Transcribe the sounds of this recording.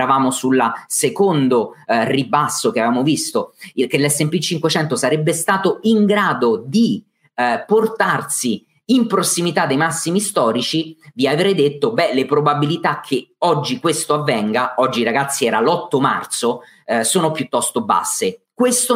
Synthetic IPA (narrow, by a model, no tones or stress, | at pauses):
ɾavaːmosulːasekond̪oribasːok̟eavɪvamovist̪okelːɛsɛmpit͡ʃːiŋkwet͡ʃɛnt̪osaɾebːest̪aːt̪oiŋɡɾaːd̪od̪i | port̪arsiː | mpɾosːimit̪ad̪ːejmasːimist̪ɔːɾit͡ʃiviaveɾɛjd̪et̪ːobɛlepɾobabilit̪akʰːeɔd͡ʒːikwest̪oavːɛŋɡaɔd͡ʒːiɾaɡat̪sːiɛːɾalɔt̪ːoma̰rt̪so | soːnopjut̪ːɔst̪oba̰sːekwest̪o